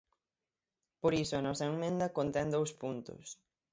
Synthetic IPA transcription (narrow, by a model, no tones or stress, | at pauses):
poɾisʊɐnɔsɐeŋmẽnd̪ɐkont̪ɛnd̪owspunt̪ʊ̰s